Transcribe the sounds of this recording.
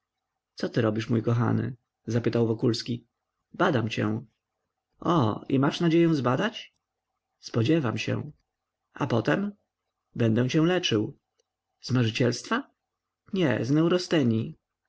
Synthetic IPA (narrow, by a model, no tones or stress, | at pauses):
t̪sɔt̪ɘɾɔbʲiʂmujkɔxa̰nɘ̰ | zapɘt̪awvɔkulskʲi | bad̪amt͡ɕɛ̰̃ | ɔḭmaʂnad͡ʑejɛw̃zbad̪at͡ɕ | spɔd͡ʑɛvamɕɛ̰ | ʔa̰pɔt̪ɛm | bɛnd̪ɛw̃t͡ɕɛ̃w̃lɛt͡ʂɘw | zmaʐɘt͡ɕɛlst̪fa | ɲɛznɛwɾɔst̪ɛɲi